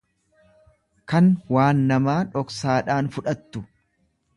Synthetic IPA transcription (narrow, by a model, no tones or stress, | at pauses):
kɐnwaːnːɐmaːᶑɔksaːᶑaːnfʊᶑɐt̪ːʊ